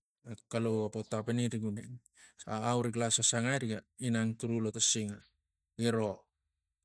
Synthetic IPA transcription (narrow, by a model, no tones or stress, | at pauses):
akaloapotapeniɾiɡune | aːwɾiɡlasasaŋajɾiɡainaŋtuɾulotasiŋa | iɾo̞